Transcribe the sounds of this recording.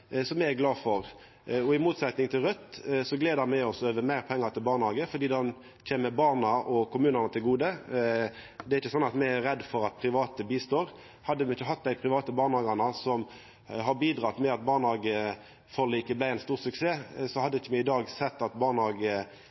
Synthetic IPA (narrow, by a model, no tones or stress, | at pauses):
sɔmɛæɡlɑːfɔʁ | ɔɪmuːt̪sɛt̪nɪŋt̪ʰɪlʁœt̪ːsɔɡleːd̪əɾmæɪɔsøːʋəmæɪʁpʰɛŋːəɾt̪ʰɪlbɑːʁnhɑːɡəfɔd̪iːd̪ɑn | c͡çʰeːməbɑʁnəʔɔkʊmʉːnəʁnət̪ʰɪlɡuːd̪ə | d̪ɛæɾɪçːəsɔnɑt̪mɛæɾɛd̪ːfɔɾɑt̪̚pʰʁɪʋɑːt̪əbiːst̪oːɾ | hɑd̪ːəmɛɪçːəɦɑt̪̚ːd̪æɪpʰʁɪʋɑːt̪əbɑːʁnɑːɡɑnəsɔm | ɦɑbiːd̪ʁɑt̪mɛɑt̪̚bɑːʁnhɑːɡə | fɔʁliːkəblæɪɛnst̪uːʁsʉkseːsɔhɑd̪ːəɪçːəmɛɪd̪ɑːɡsɛt̪ːɑt̪bɑːnhɑːɡə